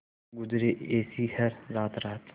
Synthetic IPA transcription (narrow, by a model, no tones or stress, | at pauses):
ɡʊzɾeʔeːsiːhɐɾɾaːt̪ɾaːt̪